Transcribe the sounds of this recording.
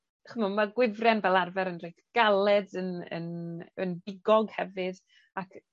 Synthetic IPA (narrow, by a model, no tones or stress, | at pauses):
χəmɔnmaɡwɪvrɛnvɛlˠarvɛɾənrejtʰɡ̥alˠɛdənə̰nənbɪɡɔɡhɛvɨð | akʰ